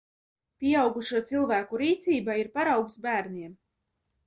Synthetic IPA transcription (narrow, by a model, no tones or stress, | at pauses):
pʲiɛawɡuʃuɔt̪silˠvæːkuɾiːt̪siːbaiɾpaɾawɡsbæːɾniɛm